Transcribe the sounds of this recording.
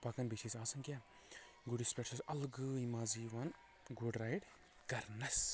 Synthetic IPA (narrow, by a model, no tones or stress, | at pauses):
pɐkɐnbiʃisaːsɐnka | ɡuɽispʲeʈsʰɐsɐlɡɨimaːziʋɐn | ɡuɖɾaːjɖ | kɐɾnɐs